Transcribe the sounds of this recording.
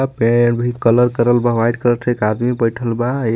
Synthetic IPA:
peeɖbʱikːələɾkəɾəlbaʋajʈkəɾət͡ʃʰekad̪mibəjʈʰəlbae

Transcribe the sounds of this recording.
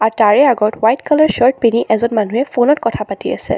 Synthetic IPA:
aɹtaɹɛaɡɔtwajtkalaɹʃɔɹt̚piniʔɛzɔnmanuɛfonɔtkɔtʰapatiasɛ̰

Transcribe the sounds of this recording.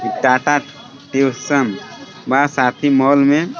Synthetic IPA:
iʈːaːʈaʈ | ʈewsəm | baːsaːt̪ʰimɔːlmẽ

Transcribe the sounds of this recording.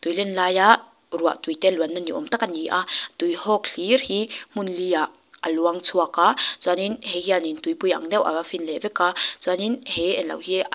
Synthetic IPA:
t̪ujlɛnlaːjaʔ | rua̰ʔt̪ujt̪eluanːaniʔɔ̰mt̪akaniʔat̪ujhɔk̚ɬirhim̥unlijaʔ | a̰luaŋt͡sʰuakat͡suaninhɛɦianint̪ujpuja̰ŋdɛwʔa̰afinlɛvɛkat͡suaninhɛɛnlɐ̰whi

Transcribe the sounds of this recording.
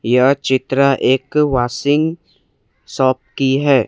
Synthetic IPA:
jat͡ʃit̪ɾaʔekwasɪŋ | sɔp̚kiɦɛ

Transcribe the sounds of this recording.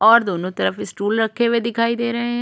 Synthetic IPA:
ɔːɾd̪oːnũːt̪əɾəfɪsʈuːlɾəkʰːeːʋeːd̪ɪkʰaːiːd̪eːɾəɦẽ

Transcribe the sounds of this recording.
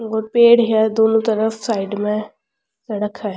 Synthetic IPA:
oːɾpeːɽɦiad̪oːnũt̪əɾəfsaːɪɖmẽ | sɐɽəkʰːa

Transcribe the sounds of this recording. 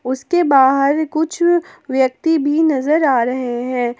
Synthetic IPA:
ʊskebaːɦəɾkʊt͡ʃʰʋjɐk̚t̪ibʱinɐzəɾaːɾɐɦeɦɛ̃ː

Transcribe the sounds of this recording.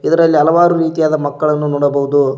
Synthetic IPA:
id̪ɐɾɐlːiɐlɐʋaːɾuɾiːt̪ijaːd̪ɐmɐkːɐɭɐnːunɔːɽɐbɐɦud̪u

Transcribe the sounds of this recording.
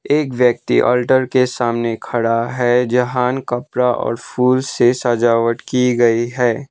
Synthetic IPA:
eːkʋjək̚t̪ḭʔɔ̰ːlʈəɾkesaːmnekʰɐɽaɦɛːd͡ʒɐɦaːnkɐpɾaʔɔ̰ːɾfʰuːlsesaːd͡ʒaːʋəʈkiɡɐiɦɛː

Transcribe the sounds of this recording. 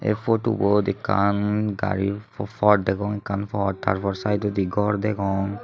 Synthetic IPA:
ḛfoʈṵbɔd̪ikːa̰nɡa̰ɹifʰɔʈ̚d̪ɛkɔŋɛkːanpɔʈ̚t̪a̰ɹpɔɹsajd̪ɔd̪iɡɔɹd̪ɛkʰɔŋ

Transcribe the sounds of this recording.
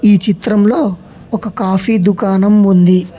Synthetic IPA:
iːt͡ʃit̪ɾɐmlo̞ː | ɔkɐkaːfid̪ukaːnɐmund̪i

